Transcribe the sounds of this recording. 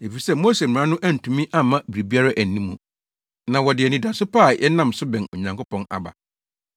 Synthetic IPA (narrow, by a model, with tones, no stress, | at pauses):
e˨fi˨sɛ˦mo˦se˨m̩˨ã˦nʊ̃˦ʔæ˦n̩˨tʰũ˨mĩ˦ʔa˦˨mã˦bɾi˨bi˦a˦ɾa˦ʔæ˨n˨nĩ˦mũ˨ | nã˨wɔ˨dɪ˨ɛ˨nĩ˨da˨sʊ˦pʰaː˦˨jɛ˦nã˦msʊ˦bɛ̃˨no˨ɲã˨ŋkʊ˦pʰɔ̃˨na̰˨ba̰˨